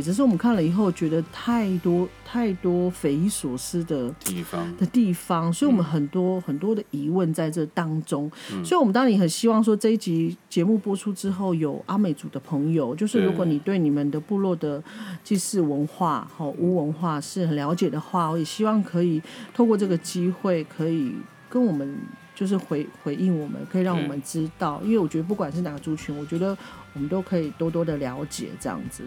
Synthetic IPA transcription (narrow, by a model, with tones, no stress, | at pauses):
ʈ͡ʂ̩˧˥ʂ̬ɻ̩˥˩wɔ˨mə˦kʰa˥˩nlə˩i˨˩xo˥˩ʊt͡ɕɥɛ˧˥d̪ə˧t̪ʰa˥˩˨ɪt̪wɔ˥t̪ʰa˥˩ɪt̪wɔ˥fe˧ɪi˧˥swɔ˨˩ʂɻ̩˥d̪ə˨d̪̥ə˨t̪i˥˩fɑ˦ŋsɔ˧˥i˨wɔ˨˩mə˦nxə˨˩nt̪wɔ˥xə˨˩nt̪wɔ˥d̪ə˨i˧˥wə˥˧nt͡sa˥˧ɪʈ͡ʂɤ˥˩t̪ɑ˥ŋʈ͡ʂʊ˥ŋsswɔ˧˥i˨wmə˦nt̪ɑ˥ni˨˩xə˨˩nɕi˥wɑ˥˩ŋʂ̬wɔ˥ʈ͡ʂɤ˥˧i˥˩t͡ɕi˧˥t͡ɕjɛ˧˥mu˥˩pwɔ˥ʈ͡ʂʰu˥ʈ͡ʂɻ̩˥xo˥˩ʊjo˨˩ʊʔa˥me˨˩ɪt͡su˨˩d̪ə˦pʰɤ˧˥ŋjo˨˩ʊt͡ɕjo˥˧ʊʂ̬ɻ̩˥˩ɻu˧˥kwɔ˧˦ni˨˩t̪we˥˩ɪni˨˩mə˨nd̪ə˨pu˥˧lwɔ˥˩d̪ə˩t͡ɕi˥˧sɻ̩˥˩wə˧˦nxwa˥˩ɔ˥˩ʔu˥wə˧˥nxwa˥˧ʂɻ̩˥˩xə˨˩nljɑ˧˥ʊt͡ɕjɛ˨˩d̪ə˩xwa˥˩wɔ˧˥jɛ˨˩ɕi˥wɑ˥˩ŋkʰɤ˧˦˥i˨˩t̪ʰo˥˧kwɔ˥˧ʈ͡ʂɤ˥˩ɡə˨˩t͡ɕi˥xwe˥˩ɪkʰɤ˧˥i˨˩ | kə˦nwɔ˨˩mə˦nt͡ɕjo˥˧ʊʂ̬ɻ̩˥˩xwe˧˥ɪxwe˧˥ɪʔi˥˩nwɔ˨˩mə̰˦nkʰɤ˧˥i˨˩ɻɑ˥˩ŋwɔ˨˩mə˦nʈ͡ʂɻ̩˥t̪ɑ˥˩ʊʔḭ˥nwe˥˩wɔ˨˩t͡ɕɥɛ˧˥d̪ə˧p̬u˥˩kwa˨˩nʂ̬ɻ̩˥˩na˨˩ɡə˦ʈ͡ʂu˥t͡ɕʰy˧˥nwɔ˨˩t͡ɕɥɛ˧˥d̪ə˧ | wɔ˨˩mə˦nt̪o˥ʊkʰɤ˧˥i˨˩t̪wɔ˥t̪̬wɔ˥d̪ə˨ljɑ˧˥ʊt͡ɕjɛ̰˨˩ʈ͡ʂɤ˥˧jɑ̰˥˩ŋd͡zɹ̩˨˩